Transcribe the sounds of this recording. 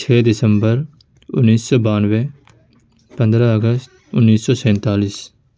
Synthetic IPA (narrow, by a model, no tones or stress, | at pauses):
t͡ʃʰeːd̪ɪsəmbəɾ | ʊ̰nːiːsːɔːbaːnʋɛː | pə̃nd̪ɾaːəɡəst̪ʊnːiːsːɔːsɛ̃ːnt̪aːliːs